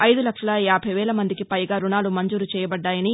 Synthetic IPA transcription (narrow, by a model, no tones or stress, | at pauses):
ɐjd̪ulɐkʂɐlɐjaːbʱɐjʋɛːlɐmɐnd̪ikipɐjɡaːɾuɳaːlumɐɲd͡ʒuːɾut͡ʃɛːjɐbɐɖːaːjɐni